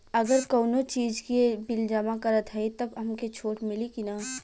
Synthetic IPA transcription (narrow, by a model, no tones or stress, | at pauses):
ɐɡəɾkoːnot͡ʃiːd͡ʒkibɪld͡ʒɐmakɐɾət̪ɦɐit̪ɐbɐmket͡ʃʰoːʈmɪlikinaː